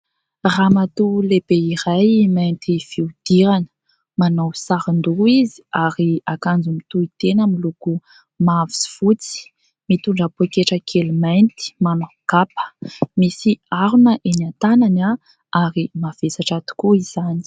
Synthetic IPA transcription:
ramat̪ulebeiɾajmajnt̪ifiud̪̥iɾanə̥ | manowsaɾand̪uizi̥aɾiakand͡zumit̪uit̪enəmiluku | mavisi̥fut͡si̥ | mit̪uɳɖ͡ʐapoekeʈ͡ʂəkʰelimajnt̪i̥manaɡ̥apə̥misiaɾunəʔenant̪anana | aɾimav̥esaʈ͡ʂat̪u̥kuiz̥ani̥

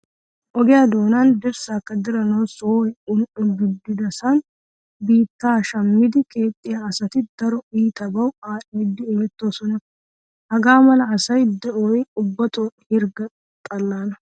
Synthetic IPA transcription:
ʔɔɡɛjaːd̪o̞ːnand̪ɪɾsaːkːɐd̪ɪɾɐnɐwsoːjʊnʊɡɪd̪ːɪd̪ɐsɐn | biːt̪ːaːʃɐmːɪd̪ɪkʼeːt̪ʼːɪjaːsɐt̪ɪd̪ɐɾɔiːt̪ɐbɐwaːʔiːd̪ːɪːmɛt̪ːo̞ːsɔnɐ | hɐɡaːmɐlɐːsɐjd̪ɛʔoːjʊbːɐt̪oːʔɛhɪɾɡɐ | t̪ʼɐlːaːnɐ

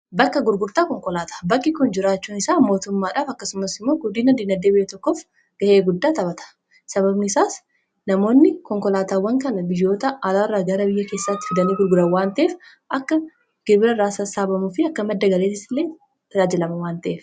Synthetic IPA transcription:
bɐkːɐɡʊɾɡʊɾt̪aːkɔŋkɔlaːt̪ʰḁːbɐkʼːɪkʊnd͡ʒɪɾaːt͡ʃːuːnɪsaːmo̞ːt̪ʊmːaːᶑaːfɐkːɐsʊmɐsɪmːoːɡʊd̪iːnɐd̪iːnɐd̪ːeːbɪjɐt̪ɔkːof | ɡ̥ɐhe̞ːɡʊd̪ːaːt̪ɐbɐt̪ɐ̥ | sɐβɐbnɪːsaːs | nɐmo̞ːnːɪkɔŋkɔlaːt̪aːwːɐŋkɐnɐbɪjːo̞ːt̪ɐʔɐlaːrːaːɡɐɾɐbɪjːɐke̞ːsːat̪ːɪ̥fɪd̪ɐniːɡʊɾɡʊɾɐwaːnt̪ɐʔeːf | ʔɐkːɐ | ɡ̥ɪɾbɪɾɐɾaːsɐsaːbɐmʊfɪɐkːɐmɐd̪ːɐɡɐleːt̪ɪsɪlːeː | t̪ɐd͡ʒaːd͡ʒɪlɐmɐwaːnt̪ɐʔeːf

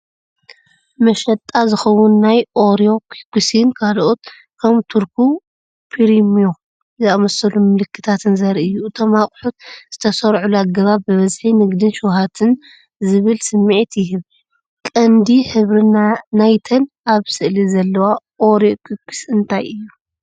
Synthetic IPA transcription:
mɐʃɐt̪ʼːazɨxɐwʊnːajʔoɾio̞kʰikːusinkʰalʔot̪̚ | kʰɐmt̪ʰuɾkʰu | pʰiɾimio | zɨamɐsɐlumɨlɨkʰːɨ̥t̪ʰat̪ʰɨnzɐɾʔɨjːuɨt̪ʰo̞maχʼħut̪z̥ɨt̪ʰɐsɐɾʕuluaɡːɐβabbɨβɐzħinɨɡd̪ɨnʃuwɦat̪ʰɨn | zɨβɨlsɨmːiʕt̪jɪɦɨβ | kʼɐnd̪iħɨβɾinanajt̪ʰɐn | aβsɨʔlizɐlːɐwa | ʔo̞ɾokʰikːi̥sɨnt̪ʰajɨjːu

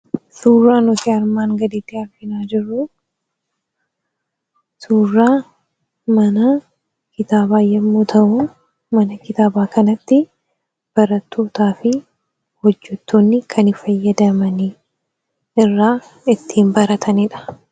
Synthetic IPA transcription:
suːrːaːnɔtɪɐɾmaːŋɡɐd̪iːt̪ːɪhɐɾfɪnaːd͡ʒɪrːʊ | suːrːaː | mɐnɐ | kɪt̪aːbaːjɛmːuːt̪ʰɐʔʊ | mɐnɐkɪt̪aːbaːkɐnɐt̪ːɪ | b̥ɐɾɐt̪ːoːt̪aːfɪ | hɔd͡ʒːɛt̪ːoːnːɪkʰɐnɪfɐjːɐd̪ɐmɐni | ɪrːaː | ɪt̪ːiːmbɐɾɐt̪ʰɐnɪᶑɐ̥

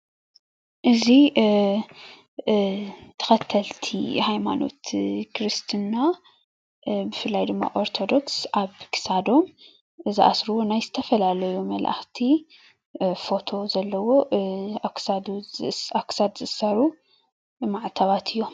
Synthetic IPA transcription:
ʔɨzi | t̪ʰɐ̥xɐt̪ʰːɐlt̪ʰḭhajma̰no̞̰t̪kʰɾɨst̪ʰɨna | bɨfɨlːajd̪ɨmːa̰ʔo̞ɾt̪ʰo̞d̪o̞ksʔaβkʰɨ̥sad̪o̞m | ɨziʔa̰sɾuwo̞najzɨt̪ʰɐfɐlalɐjumɐlʔa̰xt̪ʰi | fo̞t̪ʰo̞zɐlːɐwo̞ | sad̪uaksad̪zɨʔɨsaɾu | maʕt̪ʰaβat̪ʰɨjːo̞

